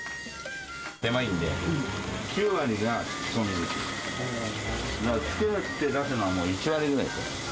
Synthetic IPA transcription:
t̪e̞maĩnd̪ḛ | kʲʰɨːβaɾʲiɡḁ | somʲizɯkʲi | d̪akt͡sɨ̥keɯ̥t̪ːe̞d̪asɨnoamoːit͡ɕiβaɾʲiɡɯ̟ɾa̰isḛ

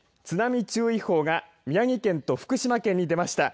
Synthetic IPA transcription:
t͡sɨnamʲit͡ɕɨːiho̞ːɡa | mʲijaŋ̟ʲikẽ̞nt̪o̞ɸɯ̟̥kɯ̟ɕimakẽ̞ɲ̟ːid̪e̞maɕi̥t̪a

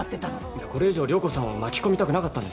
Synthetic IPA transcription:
t̪ːet̪an | iako̞ɾe̞iʑo̞ːɾʲo̞ːko̞sãɰ̃βamakʲi̥ko̞mʲit̪akɯ̟nakat̪ːãnd̪es

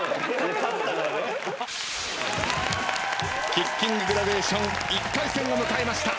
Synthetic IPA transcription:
kʲikʲːĩŋɡɯɡɯɾabe̞ːɕõ̞ŋ | ikːaisẽ̞ŋomɯ̟kae̞maɕi̥t̪a

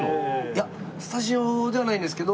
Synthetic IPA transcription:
ja | si̥t̪aɕiod̪e̞βanaĩnd̪e̞sɨ̥ke̞d̪o

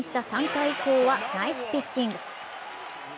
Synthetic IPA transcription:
ɕi̥t̪asãŋkaiko̞ːβanaisɨ̥pʲit͡ɕːĩŋɡɯ̟

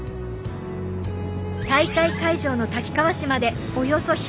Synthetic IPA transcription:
t̪aikaikaiʑo̞ːno̞t̪akʲi̥kaβaɕimad̪e̞ | o̞jo̞so̞ç

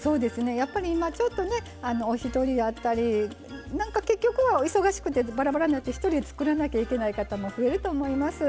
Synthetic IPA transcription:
so̞ːd̪e̞sɨne̞japːaɾʲiːmat͡ɕo̞t̪ːo̞ne̞ | ano̞ːçit̪o̞ɾʲid̪at̪ːaɾʲi | nãŋkake̞kʲːo̞kɯ̟βaiso̞ɡaɕi̥kɯ̟t̪e̞baɾabaɾanakɯ̥t̪eçi̥t̪o̞ɾʲid̪et͡sɨ̥kɯ̟ɾanakʲaike̞naikat̪amo̞ɸɯe̞ɾɯ̟t̪o̞ːmo̞imasɨ

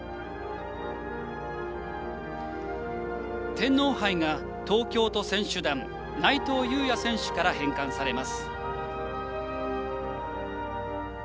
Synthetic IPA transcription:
t̪ẽ̞nːo̞ːhaiŋa | t̪o̞ːkʲo̞ːt̪o̞sẽ̞ɰ̃ɕɨd̪ãn | nait̪o̞ːjɯ̟ːjasẽ̞ɰ̃ɕɨ̥kaɾahẽ̞ŋkãsaɾe̞masɨ̥

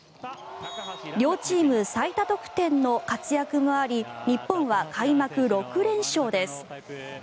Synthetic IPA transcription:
ɾʲo̞ːt͡ɕiːmɯ̟sait̪at̪o̞kɯ̟̥t̪ẽ̞nːo̞kat͡sɨjakɯ̟moaɾʲiɲ̟ipːõɰ̃βakʰaimakɯ̟ɾo̞kɯ̟ɾẽ̞ɰ̃ɕo̞ːd̪e̞sɨ̥

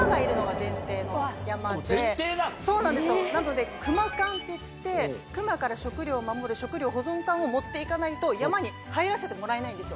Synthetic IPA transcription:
ɡaiɾɯ̟no̞ɡazẽ̞nt̪e̞ːnojamad̪et̪easo̞ːnãnd̪esɨjonano̞d̪e̞kɯ̟makãnt̪e̞tt̪ːe̞kɯ̟makaɾaɕo̞kɯ̟ɾʲo̞ːmamo̞ɾɯ̟ɕo̞kɯ̟ɾʲo̞ːɦo̞zõ̞ŋkãɰ̃o̞mo̞t̪ːe̞ikanait̪o̞jamaɲ̟i | haiɾase̞t̪e̞mo̞ɾaenaĩnd̪e̞sɨjo

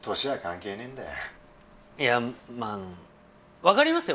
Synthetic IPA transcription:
t̪ʰo̞ɕiβakãŋke̞ːnẽ̞nd̪a̰ | jamaɯ̃ | βakaɾʲimasɨjo

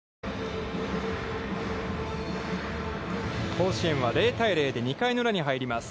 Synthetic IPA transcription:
ho̞ːɕiẽ̞ɰ̃βaɾe̞ːt̪aiɾe̞ːd̪e̞ɲ̟ikainɯɾaɲ̟iɦaiɾʲimasɨ̥

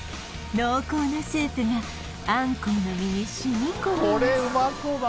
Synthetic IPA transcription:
noːkoːnoɕɨːtɯna | ãŋkoːnomʲiɲiɕiɲʲikooɾeɯmakob

